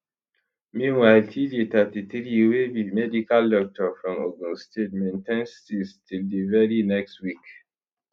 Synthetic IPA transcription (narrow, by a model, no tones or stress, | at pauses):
mĩwaɪltʰidit̪atiθɾiwewimɛdikaldɔk̚tɔfɹɔ̃moɡũstet̚mɛ̃ntɛ̃nstistʰildivɛɹinɛkstwik